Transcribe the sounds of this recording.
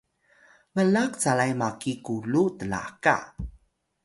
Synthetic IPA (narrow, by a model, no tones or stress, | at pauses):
vəlakt͡salajmakikulutəla̰ka̰